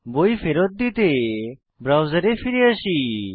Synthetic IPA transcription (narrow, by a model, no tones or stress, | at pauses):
bojfeɾɔt̪̚d̪it̪e | bɾawzəɾefiɾiəʃi